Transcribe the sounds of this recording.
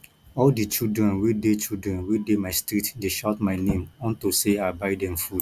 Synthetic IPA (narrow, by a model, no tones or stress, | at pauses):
ɔldit͡ʃildɹɛ̃nwidet͡ʃildɹɛ̃nwidemaɪstɹitdeʃɔtmaɪnẽmɔ̃ntoseabaɪdɛ̃mfud